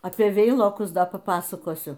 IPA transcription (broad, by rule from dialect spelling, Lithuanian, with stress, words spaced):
ɐpʲiɛ ˈʋʲɛɪlˠoːkʊs ˈpɐ ˈpɑːsɐkoːsʲʊ